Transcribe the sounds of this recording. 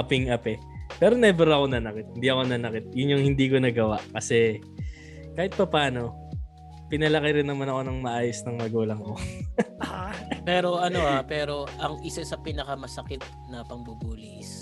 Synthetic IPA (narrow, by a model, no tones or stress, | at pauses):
ʔɐpɪŋʔɐpɛ | pɛːɾo̞nɛbɛɾoɐko̞nɐnɐkɪt̪̚hɪnd̪iɐko̞nɐnɐkɪt̪̚jʊnjʊŋhɪnd̪iːko̞nɐɡɐwaʔkɐsɛ | kaːhɪt̪̚pɐpaːno̞ | pɪnɐlɐkɐjɾɪnːɐmanɐko̞nɐŋmɐʔaːjosnɐŋmɐɡuːlɐŋko̞ | pɛːɾo̞ɐnoʔapɛːɾo̞ʔɐŋʔɪsaɪsɐpinɐkɐmɐsɐkɪt̪̚ | nɐpɐŋbubuːlis